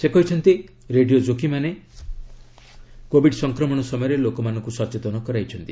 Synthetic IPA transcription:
sekɔɦit͡ʃʰɔnt̪i | ɾeɖiod͡ʒokimane | kobiɖsɔŋkɾɔmɔɽ̃ɔsɔmɔjɔɾelokɔmanɔ̃ŋkusɔt͡ʃet̪ɔnɔkɔɾajt͡ʃʰɔnt̪i

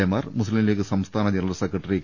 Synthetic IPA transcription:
ejmaːɾmʊslimlekːɨsɐmst̪ʰaːnɐd͡ʑɐnɐlɐsɐkːɐʈːɐɾikː

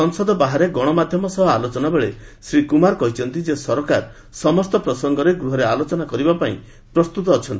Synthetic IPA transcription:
ɔŋsɔd̪ɔbaɦaɾeɡɔɽ̃ɔmad̪ʱjɔmɔsɔɦɔalot͡ʃɔnabeɭesɾikumaɾkɔɦit͡ʃʰɔnt̪id͡ʒesɔɾɔkaɾ | sɔmɔst̪ɔpɾɔsɔŋɡɔɾeɡɾuɦɔɾealot͡ʃɔnakɔɾibapaḭ̃ | pɾɔst̪ut̪ɔːt͡ʃʰɔnt̪ii

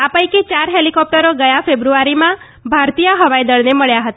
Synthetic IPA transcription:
apəjket͡ʃaɾɦelikɔp̚ʈəɾoɡəjafebɾuaɾimã | bʱaɾt̪ijəɦəʋajd̪əɭneməɭjaɦət̪a

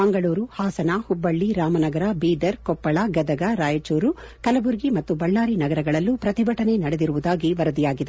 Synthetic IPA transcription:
bɐŋɡɐɭuːɾuhaːsɐnahubːɐɭːiɾaːmɐnɐɡɐɾɐbiːd̪ɐɾkɔpːɐɭɐɡɐd̪ɐɡɐɾaːjɐt͡ʃoːɾu | kɐlɐbuɾɡimɐt̪ːubɐɭːaːɾinɐɡɐɾɐɡɐɭɐlːupɾɐt̪ibʱɐʈɐne̞nɐɽed̪iɾuʋud̪aːɡiʋɐɾɐd̪ijaːɡid̪e

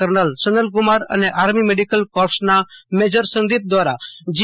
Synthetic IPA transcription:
əɾnəlsənəlɡʊmaːɾɐ̰neʔaːɾmimeɖikəlkɔːɾsnameːd͡ʒəɾsə̃nd̪iːp̚d̪ʋaːɾad͡ʒ

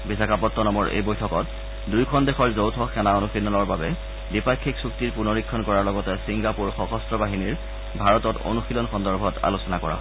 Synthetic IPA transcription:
bisakapɔtːɔnɔmɔɹʔḛjbojtʰɔkɔt | dujkʰɔndexɔɹzowtʰɔxɛnaonuxinːɔlɔɹbabɛ | dipakʰːiksuktiɹpunɔɹikʰːɔnkɔɹaɹlɔɡɔtɛsiŋɡapuɹxɔxɔstɹɔbaɦiniɹ | bʱaɹɔtɔto̰nuxilɔnxɔndɔɹbʱɔta̰lusɔnakɔɹa̰

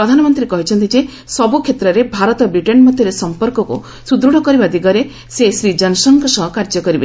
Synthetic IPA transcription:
ɾɔd̪ʱanɔmɔnt̪ɾiekɔɦit͡ʃʰɔnt̪id͡ʒe | sɔbukʰjet̪ɾɔɾebʱaɾɔt̪ɔbɾiʈenmɔd̪ʱjɔɾesɔmpɔɾkɔkṵ | sud̪ɾuɽɔkɔɾibad̪ʱiɡɔɾe | sesɾid͡ʒɔnɔsɔnkɔsɔɦɔkaɾd͡ʒɔkɔɾibe

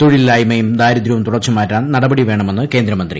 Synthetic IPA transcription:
t̪oɻilːaːjmɐjumd̪aːjɾɐd̪ɾuʋɐmt̪uɽɐrt͡ɕːɐmaːtːaːnnɐɽɐbɐɽiʋe̞ːɳɐme̞nːɨke̞ːnd̪ɾɐmɐnd̪ɾrḭ

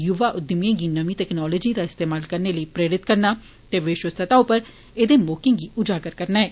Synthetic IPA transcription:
jʊʋaːʔʊd̪ɪmijãːɡiːnəʋĩt̪ɛːknɔːlɔːd͡ʒiːd̪aːɪst̪eːmaːlkəɾneːləiːpɾeːɾɪt̪kəɾnaː | t̪eːʋeːʃəsət̪aːʊpəɾ | ed̪eːmoːkɪ̃ẽːɡiːʊd͡ʒaːɡəɾkəɾnaːɛː

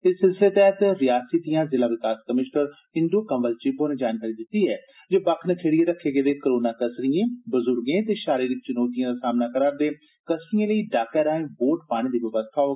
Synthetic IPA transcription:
ɪsːɪlsəleːt̪ɛːt̪ɾɪjaːsiːd̪ijãːzɪlaːʋɪkaːskəmɪʃnəɾ | ɪ̃nd̪oːkəmʋəlt͡ʃɪboːnẽːd͡ʒaːnkaːɾiːd̪ɪt̪ːiːɛː | d͡ʒoːbakʰnəkʰeːɽijẽːɾəkʰːeːɡeːd̪eːkəɾoːnaːkəsɾijẽːbəzʊɾɡẽːt̪eːʃaːɾiːɾik̚t͡ʃʊnoːt̪ijãːd̪asaːmnaːkəɾaːɾd̪eː | kəsɾijãːləiːɖaːkɛːɾaːẽːboːʈpaːɽ̃iːd̪iːʋɪʋəst̪ʰaːoː

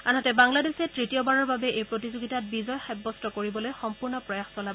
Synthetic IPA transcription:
anɔtɛbaŋladesɛtɹitijɔbaɹɔɹbabɛʔejpɹotizoɡitat̚bizɔjxɛbːɔstɔkoɹibɔlojxɔmpuɹnɔpɹɔjaxsɔlabɔ

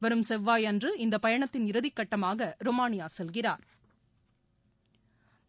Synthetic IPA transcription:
ʋɐɾɯmsɛʋːaːjɐndrɯɪnd̪ɐpɐjɐɳɐt̪ːɪnɪɾɯðɪkːɐʈːɐmaːɣɐɾɔmaːɳɪjaːsɛlɣɪraːɾ

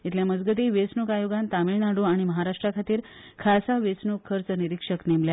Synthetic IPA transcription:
it̪ljaməd͡zɡət̪̬iːʋet͡snukajoɡant̪amiɭnaɽuaɽ̃iməɦaɾaʂʈɾakʰat̪iːɾ | kʰasaʋet͡snukʰːəɾt͡səniɾikʂəknemlja

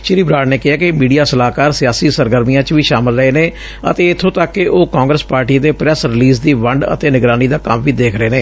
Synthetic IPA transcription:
ʃɪɾiːbɾaːɽneːkɪɦaːkɪmiːɖijaːsəlaːkaːɾsɪjaːsiːsəɾɡəɾmijãːt͡ʃʋiːʃaːmɪlɾəeːneː | ə̰t̪eːɪt̪ʰːõːt̪əkːɪʔoːkãːŋɡɾəspaːɾʈiːd̪eːpɾɛsɾɪliːzd̪iːʋəɳɖə̰t̪eːnɪɡɾaːniːd̪aːkəmʋiːd̪eːkʰɾəeːneː

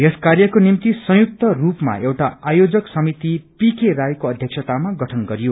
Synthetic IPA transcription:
ɦeskarjʌkonimt̪isʌ̃juk̚t̪ʌrupma̰ewʈaajod͡zʌksʌmit̪ipikerajkoʌd̪ʱjʌksʰʌt̪amaɡʌʈʰʌnɡʌɾijo

